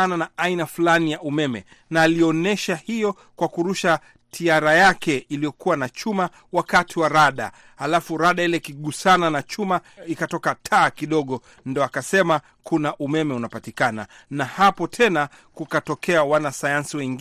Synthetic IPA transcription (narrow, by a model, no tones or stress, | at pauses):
ananaainafulanijaʔumɛmɛ̰ | naːliɔnɛʃahijɔ | kwakuɾuʃa | tʰiaɾajakɛilijɔkuwanat͡ʃuma | wakatʰiwaɾaɗa̰ | halafuɾaɗailɛkiɠusananat͡ʃumaikatɔkatʰaːkiɗɔɠɔ | ndiɔakasɛma | kunaʔumɛmɛunapatikana̰ | nahapɔtʰɛna | kukatɔkɛawanasajansiwɛŋɡ